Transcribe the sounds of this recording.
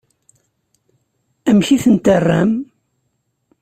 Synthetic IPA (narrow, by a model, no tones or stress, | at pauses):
æmçiθənt̪ərːæm